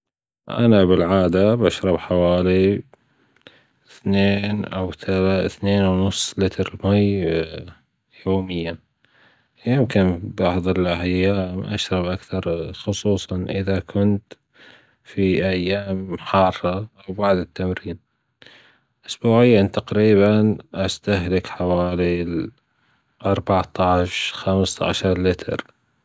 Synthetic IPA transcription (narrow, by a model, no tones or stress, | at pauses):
ʔa̰nabɪlʕaːd̪abaʃɾˤɑbħawaːli | ɪθneːnʔawθalθneːnawnʊsˤːlɪt̪ɾmaj | joːmɪjːa | jɪmkɪnbɑʕðˤɪlʔaʕjːaːmʔa̰ʃɾˤɑbʔakθɑɾˤxʊsˤuːsˤɑnʔɪðakʰʊnt̪ | fiʔajːaːmħɑrˤːɑʔawbaʕd̪ɪt̪ːamɾiːn | ʔʊsbuːʕɪjːant̪aqɾiːβanʔast̪aɦlɪkħawaːli | ʔɑɾˤbɑʕt̪ˤɑʕʃxamsʕa̰ʃɑɾˤlɪt̪ʰɪ̰ɾ